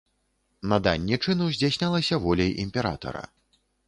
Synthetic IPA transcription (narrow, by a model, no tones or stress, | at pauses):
nɐd̪anʲːit͡ʂɨnɨwzʲd͡zʲasʲnʲalˠɐsʲɐvɔlʲɛjʔḭmʲpʲɛɾa̰t̪ɐ̰ɾɐ̰